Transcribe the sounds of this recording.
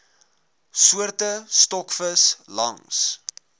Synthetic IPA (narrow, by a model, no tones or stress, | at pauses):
suərtəstɔkfəslɐ̰ŋs